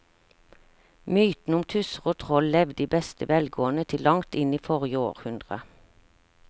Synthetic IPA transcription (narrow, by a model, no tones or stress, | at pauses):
myːt̪n̩ʊmt̪ʰʉsəʁoːt̪ʰʁɔllɛʋd̪iːbɛst̪əʋɛlɡoːənət̪ʰɪlːɑŋt̪ɪniːfɔʁjəoːʁhʉnd̪ʁə